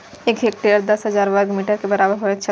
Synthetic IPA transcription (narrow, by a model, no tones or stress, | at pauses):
eːkek̚ʈiɾəɾd̪ɐsɦɐzaːɾʋəɾɡmiːʈəɾkebɐɾaːbəɾɦoɛt͡ʃʰə